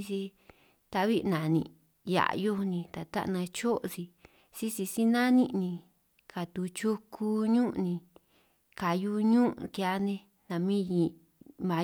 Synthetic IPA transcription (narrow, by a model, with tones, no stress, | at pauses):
si˧ | t̪a˧˦βi˦ʔnã˨nḭ̃˧˨ | ja̰˨ʔjo˦˧nĩ˧t̪a˨t̪a̰˦ʔnã˧t͡ʃo˦ʔsi˧ | si˦si˧si˦nã˦nĩ˦ʔnĩ˧ | ka˨t̪u˧t͡ʃu˦kʰu˧ɲũ˦ʔnĩ˧ | ka˨ju˧ɲũ˦ʔkja˧nẽ˧ | nã˨mĩ˦ji˧ | mã˨˧